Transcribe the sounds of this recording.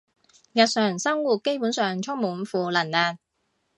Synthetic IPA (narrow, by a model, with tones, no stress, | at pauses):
jɐ˨t̚sœː˨˩ŋsɐ˥ŋwuː˨˩t̚ke˥jpuː˨˥nsœː˨ŋt͡ʃʰʊ˥ŋmuː˨˥nfuː˨˧lɐ˨˩nlaː˨˩n